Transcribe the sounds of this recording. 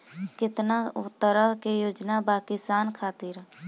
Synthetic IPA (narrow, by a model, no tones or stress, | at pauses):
kɪt̪naʊt̪ːəɾəɦkejoːd͡ʒnabaːkisaːnkʰaːt̪ɪɾ